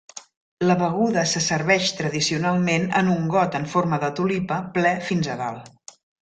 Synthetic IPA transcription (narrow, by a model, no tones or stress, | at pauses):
ləβəɣuðəsəsəɾβɛʃt̪ɾəðisiunalˠmenə̰nuŋɡɔt̪əɱforməðət̪ulipəplɛfinzəða̰lˠ